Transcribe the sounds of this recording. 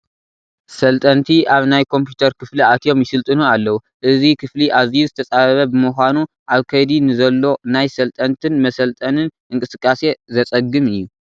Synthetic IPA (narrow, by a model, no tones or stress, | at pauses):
sɐlt̪ʼɐnt̪ʰiʔaβnajkʰo̞mpjut̪ʰɐɾkʰɨfliat̪ʰjo̞mjɪsɨlt̪ʼɨnualːɐwu | ʔɨzikʰɨfliʔazizɨt̪ʰɐt͡sʼaβɐβɐbɨmɨxʷanu | ʔaβkʰɐjd̪inɨzɐlːo̞najsɐlt̪ʼɐnt̪ʰɨnmɐsɐlt̪ʼɐnɨnʔɨŋkʼɨsɨkʼːase̞zɐt͡sʼɐɡːɨmɨjːu